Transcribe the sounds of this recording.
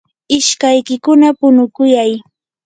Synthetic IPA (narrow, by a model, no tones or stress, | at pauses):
ɪʃkajkɪkʊnapʊnʊkʊjaj